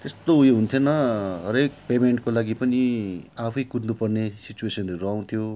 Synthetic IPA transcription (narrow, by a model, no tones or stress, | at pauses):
t̪est̪oɦujoɦunt̪ʰjonʌɦʌɾek̚pemeɳʈ̚kolaɡipʌniapʰʌjkudnupʌrnesit͡ɕuesʌnreɾʌaw̃nt̪ʰjo